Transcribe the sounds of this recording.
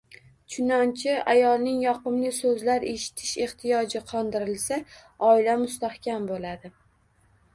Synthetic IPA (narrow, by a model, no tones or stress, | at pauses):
t͡ʃʰʊnɒnt͡ʃʰɪajɒlˠnɪŋjɒqɨmlɪsɵzlaɾe̞ʃɪ̥t̪ʰɪ̥ʃe̞ht̪ʰɪjɒd͡ʒɪqʰɒnd̪ɪɾɪlsaɒɪlamʊst̪ahkʲʰambolad̪ɪ